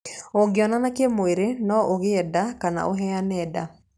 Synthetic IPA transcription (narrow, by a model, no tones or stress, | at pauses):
oɡɪɔnanakemoeɾenɔoɣeɛdakana̰ʔoɦɛanɛda